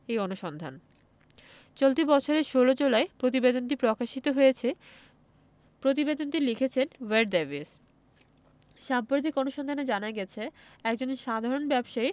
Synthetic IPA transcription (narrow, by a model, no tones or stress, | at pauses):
ejonuʃɔnd̪ʱa̰n | t͡ɕolt̪̬ibɔt͡ɕʰoɾeʃolod͡ʑolaepɾot̪̬ibed̪ont̪̬ipɾokaʃit̪oɦojet͡ɕʰe | pɾot̪ibed̪ont̪ilikʰet͡ɕʰenweɖ̚d̪evis | ʃampɾad̪ʱikonuʃɔnd̪ʱaned͡ʑanaɡɛt͡ɕʰeɛkd͡ʑonʃad̪ʱaɾonbɛbʃai